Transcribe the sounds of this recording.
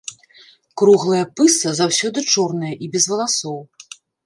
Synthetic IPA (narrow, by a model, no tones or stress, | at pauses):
kɾuɣlˠɨjɐpɨsɐzawsʲɔd̪ɨt͡ʂɔrnɨjɐʔibʲɛzvɐlˠasɔw